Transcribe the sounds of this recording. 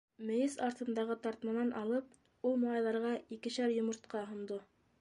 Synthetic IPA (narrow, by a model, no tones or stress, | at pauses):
mɘ̆jɘsɑɾt̪ɤ̆nd̪ɑʁɤt̪ɑɾt̪mɑnɑnʔɑlˠɤp̚ | ulˠmolˠɑjðˠɑɾʁɑikɘ̆ɕæɾjŏmɤ̆ɾt̪̚qɑɦŏnd̪o